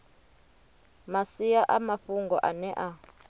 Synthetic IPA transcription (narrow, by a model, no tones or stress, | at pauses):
masijaʔamaɸuŋɡɔʔanɛʔa